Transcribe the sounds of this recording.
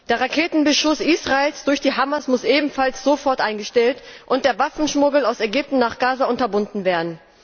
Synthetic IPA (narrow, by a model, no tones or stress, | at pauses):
d̥eːɐʁakʰeːtn̩bəʃʊsʔiːsʁ̥aeːlsd̥ʊɐçd̥iːɦamɐsmʊsʔeːbm̩falsz̥ofɔɐtʔaɪnɡəʃtɛltʔʊnt̚d̥eːɐvafn̩ʃmʊɡl̩aʊsɛɡʏp̚tn̩naːχɡ̥aːzaʔʊntɐbʊndn̩veːɐdn̩